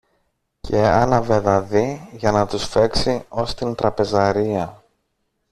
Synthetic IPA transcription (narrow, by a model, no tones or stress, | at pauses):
cʰe̞ɐnɐveðɐðiʝɐnɐt̪usfe̞ksio̞st̪int̪ɾɐpe̞zɐɾiɐ